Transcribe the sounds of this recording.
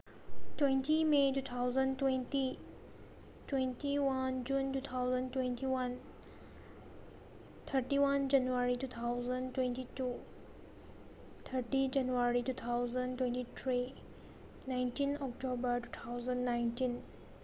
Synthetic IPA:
twẽntimetuːt̪ʰawzə̃ntwẽnti | twẽntiwãnd͡ʒũntut̪ʰawzə̃ntwẽntʰiwãn | t̪ʰəɾʈiwãnd͡ʒanuaɹituːt̪ʰaʊzə̃ntwẽntitu | t̪ʰəɾʈid͡ʒãnuaɾituːt̪ʰawzə̃ntwẽntit̪ʰɾi | nãjntĩnɔk̚tobəɹtut̪ʰawzə̃nnãjntĩn

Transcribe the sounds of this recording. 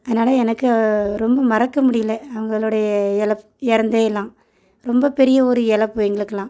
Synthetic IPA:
ɐðɐnaːlɐɛnɐkːɯɾɔmbɐmɐɾɐkːɐmʊɽɪjɪlɐɐʋɐŋɡɐɭoːɽɐjɐɛɭɐpː | ɛɾɐnd̪eːɪlːãː | ɾɔmbɐpɛɾɪjɐɔɾɯɛɭɐpːɯɛŋɡɐɭɯkːɐlãː

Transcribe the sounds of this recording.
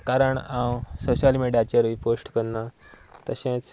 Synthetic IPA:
kaɾəɳãwsoɕalmeɽjat͡ɕeɾiposʈkəɾna | t̪əɕẽt͡s

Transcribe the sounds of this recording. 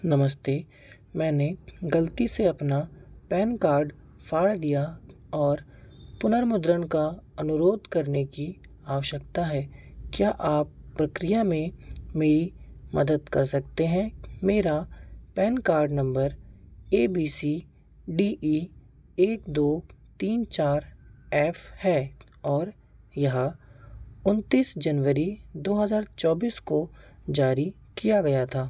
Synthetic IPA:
nɐməst̪eː | mɛ̃ːneɡɐlt̪iseɐpnapɛːnkaːɾɖ | fʰaːɽd̪ija | ɔːɾ | pʊnəɾmʊd̪ɾəɽkaɐnʊɾoːd̪kɐɾneki | aːʋəʃəkt̪aɦɛːkjaːʔaːpːɾɐkɾɪjamẽmeːɾimɐd̪əd̪kɐɾsɐk̚t̪eɦɛ̃meːɾapɛːnkaːɾɖnɐ̃mbəɾeːbiːsi | ɖiːʔi | eːk̚d̪oːt̪iːnt͡ʃaːɾɛːfhɛː | ɔːɾ | jɐɦã | ʊnt̪iːsd͡ʒɐnʋəɾid̪oːɦɐzaːɾt͡ʃɔːbiːskod͡ʒaːɾi | kijaɡɐjat̪ʰaː

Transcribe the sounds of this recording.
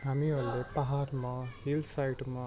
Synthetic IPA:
ɐmiɐlːupɐɦaːɾmahilsajʈma

